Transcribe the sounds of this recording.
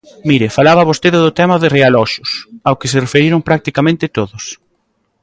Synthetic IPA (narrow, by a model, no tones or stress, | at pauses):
miɾɪfalaβɐβost̪eðɪðʊt̪ɛmɐðɪrealɔʃʊsawkɪsɪrefeɾiɾʊŋpɾak̚t̪ikamẽnt̪ɪt̪oðʊs